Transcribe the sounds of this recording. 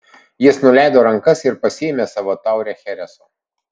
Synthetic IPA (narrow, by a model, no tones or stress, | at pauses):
jɪsnʊlʲæˑɪd̪oːɾɐŋˑkɐsɪɾpɐsʲɪɛmʲeːsɑʋoːt̪ɑˑʊɾʲɛxʲɛɾʲɛsoː